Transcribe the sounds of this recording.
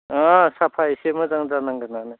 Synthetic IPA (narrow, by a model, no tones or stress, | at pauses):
ɔsapʰaisemɯzaŋzanaŋɡɯnanɯ